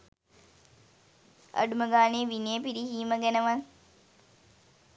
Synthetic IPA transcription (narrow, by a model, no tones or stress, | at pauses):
ɐ̰ɖuməɡaːneːʋineəpiɾihiːməɡænəʋan